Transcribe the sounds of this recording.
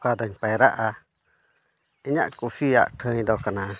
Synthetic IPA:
kad̪ɔɲpajɾaʔa | iɲa̰ʔkufia̰ʔʈʰə̃ɲd̪ɔkana

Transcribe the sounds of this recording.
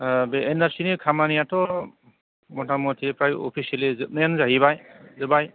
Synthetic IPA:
beenaɾsinikʰamanijatɔ | mɔtʰamɔtʰiɾipʰɾajɔ̰pʰiselizɯt̚njanzaɦibajzɯbaj

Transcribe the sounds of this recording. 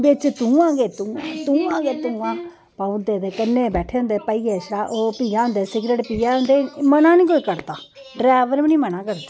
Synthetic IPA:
bɪt͡ʃt̪ũːãːɡeːt̪ũːãːt̪uːãːɡeːt̪ũːãː | paʊd̪eːd̪eːkənːeːbɛːʈʰeːɦʊ̃nd̪eːpəiːɡeːʃɽaːʔoːpiːãːɦʊ̃nd̪eːsɪɡɾeːʈpiːjaːɦʊ̃nd̪eːmənãːnĩːkoːiːkəɾt̪aː | ɖɾaːʋəɾmniːmənãːkəɾt̪aː

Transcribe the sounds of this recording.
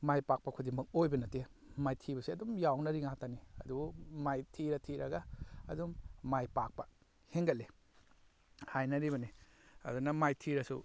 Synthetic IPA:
majpak̚pɐkʰudiŋbɐk̚ojbɐnɐte | majtʰibɐsiɐdumjawnɐɾiŋataniɐdumajtʰiɾɐtʰiɾɐɡɐːdumːajpak̚pɐ | heŋɡɐle | hajnɐɾiβɐniɐ̰dunɐmajtʰiɾɐsu

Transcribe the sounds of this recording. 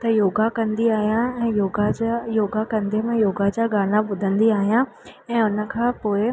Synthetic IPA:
t̪ɐjoːɡakɐ̃nd̪iaːɦijãɛ̃ːjoːɡajoːɡakɐ̃nd̪emẽjoːɡad͡ʑaːɡaːnaɓʊd̪ʱə̃nd̪iaːɦijã | ɛ̃ːʊnə̆kʰãːpoːɪ

